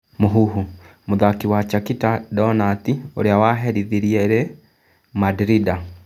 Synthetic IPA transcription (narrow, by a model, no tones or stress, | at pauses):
moɦuɦu | moðakiwat͡ʃakitadɔnatioɾeawaɦɛɾiðiɾiɛɾe | madɾida